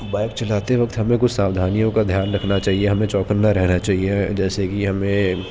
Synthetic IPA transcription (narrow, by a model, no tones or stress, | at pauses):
baːɪkt͡ʃɐlaːt̪eʋɐk̚t̪ɦɐmẽkʊt͡ʃʰsaːwd̪ʱaːnijõkad̪ʱjaːnɾɐkʰnat͡ʃaːɦieɦɐmẽt͡ʃɔːkəɾnɐɾɛɦnat͡ʃaːɦied͡ʒɛːsekiɦɐmẽ